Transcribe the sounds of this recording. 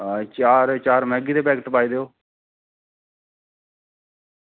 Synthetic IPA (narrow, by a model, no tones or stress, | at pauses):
t͡ʃaːɾt͡ʃaːɾmɛ̃ːɡiːd̪eːpɛːkʈpaːiːd̪eːoː